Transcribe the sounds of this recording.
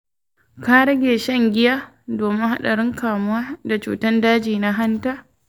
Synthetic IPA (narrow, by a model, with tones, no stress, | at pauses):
ka˦ɾɐ˦ɡʲeː˨ʃɐ˦˨ŋɡʲɪ˦jaː˦ | doː˨mɪ˦ŋha̰˦ɗa˨ɽɪ˦ŋkaː˨mʊ˦waː˦da˨t͡ʃṵː˨tɐ˦ndaː˦d͡ʒiː˨na˦ɦa˦ntaː˦